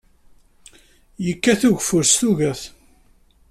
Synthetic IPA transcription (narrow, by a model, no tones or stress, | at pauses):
jəkːæθʊʝfʊɾst̪uʝæθ